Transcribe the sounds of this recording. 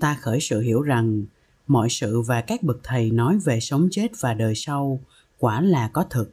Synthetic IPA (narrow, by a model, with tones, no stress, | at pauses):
t̪aː˧xəː˧˩jsɨ̰˧˨ɦi˧˩əwza˨˩ŋ | mɔ̰˧˨jsɨ̰˧˨vaː˨˩kaː˦˥k̚ɓɨ˨˩k̚t̪ʰə˨˩jnɔ˨˦jve˨˩sə˨˦wŋ͡mt͡ɕe˦˥t̚vaː˨˩ɗəː˨˩jsa˧w | kwaː˧˩laː˨˩kɔ˨˦t̪ʰɨ˨˩k̚